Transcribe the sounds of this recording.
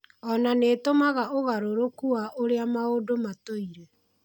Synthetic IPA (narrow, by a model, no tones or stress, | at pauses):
ɔnaneːtomaɣaoɣaɾoɾokuaʔoɾeamaodomatoiɾe